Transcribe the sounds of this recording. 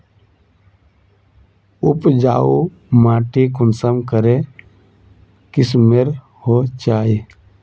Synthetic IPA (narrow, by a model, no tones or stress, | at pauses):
ʊpd͡ʒaːo | maːʈikʊnsəmkəɾe | kɪsmeɾ | hot͡ʃaːi